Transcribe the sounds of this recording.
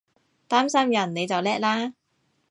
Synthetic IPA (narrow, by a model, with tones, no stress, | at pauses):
t̪aː˥msɐ˥mjɐ˨˩nne˨˧jt͡sɐ˨wlɛː˥k̚laː˥